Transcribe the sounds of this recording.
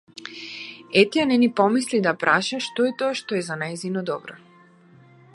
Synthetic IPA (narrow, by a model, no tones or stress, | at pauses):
ɛt̪ɛanɛnipɔmislid̪apɾʔaʃaʃt̪ɔɛt̪ɔaʃt̪ɔɛzanajzinɔd̪ɔbɾɔ